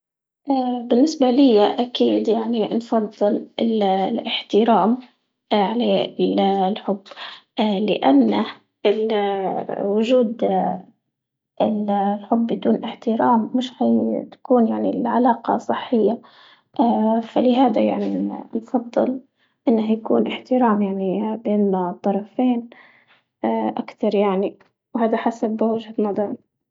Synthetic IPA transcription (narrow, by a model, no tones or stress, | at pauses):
ʔabɪnːɪsbalɪjːaʔakiːd̪jaʕninfɑðˤːɨlɪllɪħt̪ɪɾaːm | ʕalaːllħʊbːlɪʔanːa | ɪl | wʊʒuːd̪ | ʔɪlħʊbːɪd̪uːnʔɪħt̪ɪɾaːmːɪʃhajt̪ḁkuːnjaʕnilʕalaːqɑ̰sˤːɨħːɪjːa | ʔaːfalɪɦaːd̪ajaʕninfɑd̪ˤːɨ̰l | ʔɪnːahjakṵːnʔɪħt̪ɪɾaːmjaʕnibeːnːat̪ˤːɑɾˤɑfeːnː | ʔakt̪ɑɾˤjaʕni | whaːd̪aħasabwɪd͡ʒhat̪nɑd̪ˤɑɾ